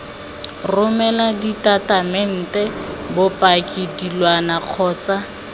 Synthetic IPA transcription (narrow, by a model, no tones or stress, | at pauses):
rʊmɛladitatamɛn̩tɛbʊpʼakʼidilwanaq͡χʰɔːt͡sa